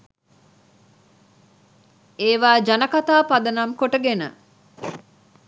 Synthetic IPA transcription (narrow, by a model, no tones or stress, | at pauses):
eːʋaːd͡ʒɐnɐkat̪aːpɐd̪ɐnɐmkoʈəɡenə̰